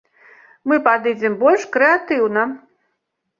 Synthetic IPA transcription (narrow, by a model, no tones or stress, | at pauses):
mɨpad̪ɨd͡zʲɛmbɔlʲʂkɾɛat̪ɨwnɐ